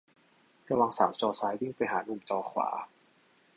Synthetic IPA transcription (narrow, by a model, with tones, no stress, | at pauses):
ka˧˩wa˧ŋsaː˩˦wt͡ɕɔː˧saː˨˦˥jji˥˩ŋpa˧jɦaː˩˦nu˧˩mt͡ɕɔː˧kʰwa̰ː˩˦